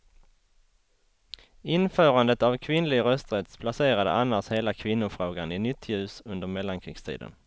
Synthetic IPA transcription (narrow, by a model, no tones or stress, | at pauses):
ɪnfœːɾand̪ət̪avkʰvɪnlɪɡɾœst̪ɾɛt̪spʰlaseːɾad̪ə̰anːaʂheːlakʰvɪnːʊfɾoːɡanɪnʏt̪ʰːjʉ̟ːsɵnd̪əɾmɛlːankʰɾiːɡst̪ʰḭːd̪ə̰n